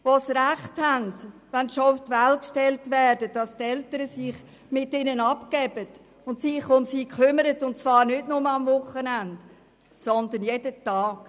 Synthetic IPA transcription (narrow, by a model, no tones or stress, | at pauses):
ʋosɾæχthændʋɛnʃoʊftvælkʃtɛltvɛːdədɑstɛltəɾəsiχ | mɪtɪnənɑpkɛbət | ʊndtsiχʊmsiːkʰχʏməɾətʊntt͡svɑːɾnʏdnʊməɑmvʊχːənænd | sɔnd̪ənjedətɑːk